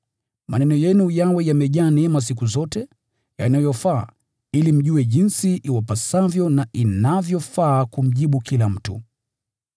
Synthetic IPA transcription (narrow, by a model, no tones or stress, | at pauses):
manɛnɔjɛnujawɛjamɛʄaːnɛmas̬ikuzɔtɛ | janajɔfa̰ː | ilim̩ʄuɛʄinsiʔiwapasavjɔnaʔinavjɔfaːkum̩ʄiɓukilam̩tu